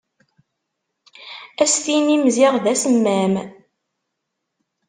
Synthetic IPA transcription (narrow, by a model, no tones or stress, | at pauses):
æst̪inimzɪʁðæsəmːæm